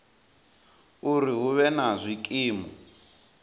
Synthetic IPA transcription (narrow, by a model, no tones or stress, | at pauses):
uriɦuβɛnazʷikʼiːmɔ